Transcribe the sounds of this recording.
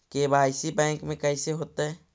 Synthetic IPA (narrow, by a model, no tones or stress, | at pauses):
keːbaːɪsibɛ̃ːŋkmẽkɛːɪseɦoːt̪aɦɛː